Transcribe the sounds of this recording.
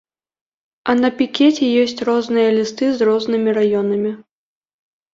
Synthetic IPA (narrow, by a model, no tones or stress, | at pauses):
ɐnɐpʲikʲɛt͡sʲɛjɔsʲt͡sʲrɔznɨjɐlʲist̪ɨzrɔznɨmʲiɾajɔnɐmʲi